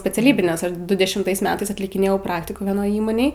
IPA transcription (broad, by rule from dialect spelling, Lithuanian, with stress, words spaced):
sʲpʲɛt͡sʲɛˈlʲiːbʲɪ ˈnʲɛs ˈdʊ dʲɛʃʲɪmˈtɐɪs ˈmʲæːtɐɪs ɐtʲlʲɪkʲɪˈnʲeːjɛʊ ˈprɑːktʲɪkuː ʋʲiɛˈnoːj ˈiːmoːnʲeːj